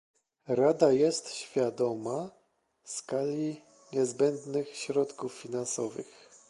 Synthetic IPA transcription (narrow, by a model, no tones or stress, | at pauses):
ɾad̪ajɛst̪ɕfʲjad̪ɔma | skalʲi | ɲɛzbɛnd̪nɘxɕɾɔt̪kufːʲinansɔvɘ̰x